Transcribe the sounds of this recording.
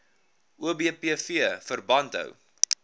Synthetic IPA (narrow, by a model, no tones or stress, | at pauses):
uəbiəpiəfiəfərbɐntɦə̰w